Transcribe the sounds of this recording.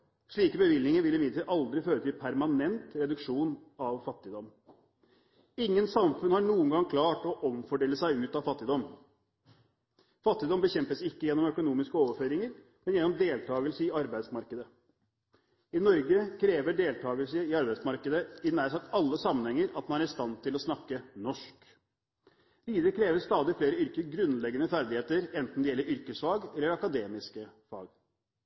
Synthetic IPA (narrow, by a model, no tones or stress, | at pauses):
ʂɭiːkəbəʋɪlnɪŋəɾʋɪlɪmɪɪlʔɑld̪ɾɪføːɾət̪ʰɪlpʰæɾmɑnɛnt̪ɾɛd̪ʉkʂuːnɑʋfɑt̪ːɪd̪ɔm | ɪŋːənsɑmfʉnhɑɳuːənɡɑŋkʰlɑːʈɔʔɔmfɔɖeːləsæɪʉːt̪ɑfɑt̪ːɪd̪ɔm | fɑt̪ːɪd̪ɔmbəçɛmpəsɪkːəjɛnːɔmœkʊnuːmɪskəoːʋəføːɾɪŋəɾ | mɛnjɛnːɔmd̪eːlt̪ʰɑːɡəlsəɪɑɾbæɪsmɑɾkəd̪ə | ɪnɔɾɡəkʰɾeːʋəɖeːlt̪ʰɑːɡəlsəɪɑɾbæɪsmɑɾkəd̪əɪnæːɾsɑt̪ɑlːəsɑmːənhɛŋːəɾɑt̪mɑnæɾɪst̪ɑnt̪ʰɪlɔsnɑkːənɔʂk | ʋiːd̪əɾəkʰɾeːʋəst̪ɑːd̪ɪfleːɾəʏɾkəɡɾʉnlɛɡːənəfæɾd̪ɪheːt̪əɾɛnt̪n̩d̪ɛjɛlːəɾʏɾkəsfɑːɡɛlːəɾɑkɑd̪eːmɪskəfɑ̰ːɡ